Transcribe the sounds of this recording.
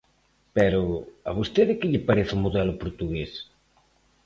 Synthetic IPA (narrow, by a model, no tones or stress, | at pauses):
pɛɾoa̰β̞ost̪eðɪkɪʎɪpaɾeθumoðɛlʊpoɾt̪uɣes